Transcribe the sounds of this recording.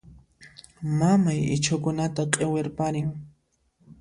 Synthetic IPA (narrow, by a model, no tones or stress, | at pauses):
mamajɪ̰t͡ʃʰʊkʊnat̪aqʼeweɾpaɾɪŋ